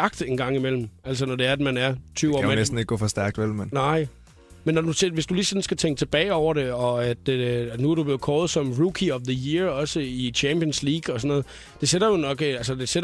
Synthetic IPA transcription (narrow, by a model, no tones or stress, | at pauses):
ɡ̥d̥e̝nɡ̥ɑ̈ŋ̰imel̰m̩æl̰s̬ənɒde̝æɐæd̥mænæɐt͡sʰyːʊɒ̰menesd̥n̩eɡ̥ə̥ɡ̥ɔ̰̽ːfɒsd̥æɐɡ̥̚d̥ʋelmennɑ̈ɪ̰ | menːɒduseʋe̝sd̥ulisɒ̽nsɡ̥æt͡sʰeŋɡ̥ə̥t͡sʰeb̥ɛ̰ːɪɒʊɐɾe̝ɒ̽æd̥nuæɐɾ̥ub̥le̝ːð̩ˠkʰɒːlð̞̩ˠsɒ̽mʁukʰiɒ̽ʋðəjiɐɒ̽səit͡ɕʰæmpiənsliːɡ̥ɒ̽sɒ̽nːɔ̽ːð̩ˠ | d̥e̝seɾɐjo̝nɒ̽ɡ̥æls̬əd̥e̝seɾ